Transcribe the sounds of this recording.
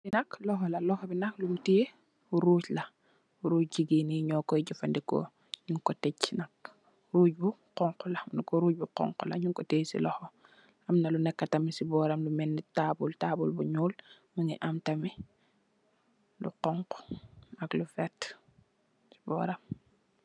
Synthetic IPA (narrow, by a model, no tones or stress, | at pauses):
binɐklɔɦɔlalɔxɔbinɐklumteː | uɾuːcla | uɾuːcɟiɡiniɲɔkɔiɟufandiko̰ | ɲuŋkɔtecnak̚ | ɾuːɟbuqɔŋkulamnkoɾuːɟ̚buqɔ̰ŋqulaɲuŋkɔteːsḭlɔhɔ | amnalunɛkːatamisibɔɾamlumɛnːitabultaːbulbuɲuːl | məŋiʔamtami | lṵqɔŋqo̥naklufet | si̥bɔ̰ɾam